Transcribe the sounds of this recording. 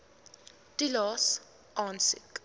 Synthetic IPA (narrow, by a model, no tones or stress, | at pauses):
tʼilɔs | ɔnsɪkʼ